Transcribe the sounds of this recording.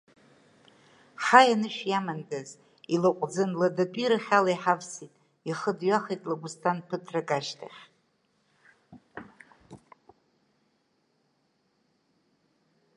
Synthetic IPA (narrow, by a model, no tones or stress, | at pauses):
ħajanɨʃᶣjamandaz | ilaqʷʼd͡zɨnladadʷʼiɾaχʲalajħavsitʼ | iχədɥaχejtʼlaɡustʰanpʰɨtʰrakʼaʃtʰa̰χʲʼ